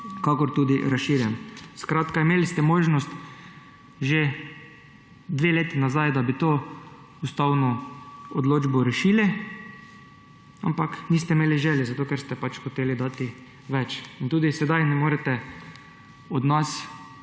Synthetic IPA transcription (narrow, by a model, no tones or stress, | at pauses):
kakɔɾt̪uːd̪iɾasʃiɾjɛnskɾaːt̪kaimeːlist̪ɛmoːʒnɔst̪ | ʒe | d̪ʋeleːt̪inazajd̪abit̪oː | ust̪awnɔɔd̪loːd͡ʒbɔɾɛʃiːli | a̰mpakniːs̬t̪ɛimeːliʒɛljɛzat̪oːkɛɾst̪ɛpat͡ʃxɔt̪eːlid̪aːt̪i | ʋɛt͡ʃint̪uːd̪isɛd̪ajnɛmoːɾɛt̪ɛ | ɔd̪nas